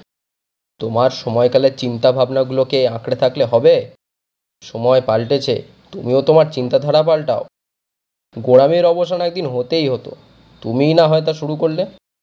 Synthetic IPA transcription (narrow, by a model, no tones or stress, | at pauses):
t̪omaɾʃɔmɔekaleɾt͡ɕint̪abʱabnaɡulokeãkɽet̪ʰakleɦɔbe | ʃɔmɔepalʈet͡ɕʰḛ | t̪umiot̪omaɾt͡ɕint̪ad̪ʱaɽap̬alʈao | ɡoɽameɾɔboʃanɛk̚d̪inɦot̪ejɦot̪o̰ | t̪uminaɦɔet̪̬aʃuɾukoɾle